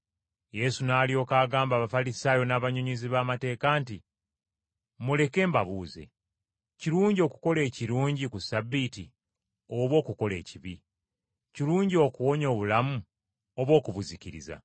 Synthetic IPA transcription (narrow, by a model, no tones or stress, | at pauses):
je̞sunaːlio̞ːkaːɡaːmbaːβafalisaːjo̞naːβaɲoɲiziβamate̞ːkaːnti | mule̞ke̞ːmbaβuːze̞̰ | ciɾuːɲɟio̞ku̥ko̞le̞ːciɾuːɲɟikusabːiti | oβwo̞ːkuko̞le̞̰ːciβi | ciluːɲɟio̞kuwo̞ɲo̞ːβulamu | oβwo̞ːkuβuziciɾḭza̰